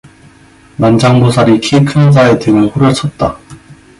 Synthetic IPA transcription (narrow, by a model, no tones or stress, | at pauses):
nand͡ʑaŋmosʰaɾikʰekʰɯnd͡ʑae̞teŋɯnɸuɾjʌt͡ɕʰʌt̚t͈a